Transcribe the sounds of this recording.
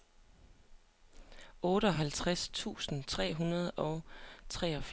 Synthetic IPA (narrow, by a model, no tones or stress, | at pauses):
ɔ̽ːɾəɒ̽ɦælt͡sʰʁast͡sʰṵːsn̩t͡sʰʁɛ̰ːɦunɐð̞̩ˠɒ̽ʊt͡sʰʁɛːɒ̽f